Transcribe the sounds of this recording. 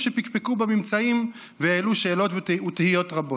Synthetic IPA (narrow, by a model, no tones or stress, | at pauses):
ʃepikpekubamimt͡saim | veaeluʃe̞ːlo̞tutehijo̞tʁabo